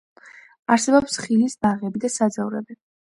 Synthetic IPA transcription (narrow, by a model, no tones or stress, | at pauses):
aɾsɛbɔpsχilisbaʁɛbid̪asad̪zavɾɛ̰bi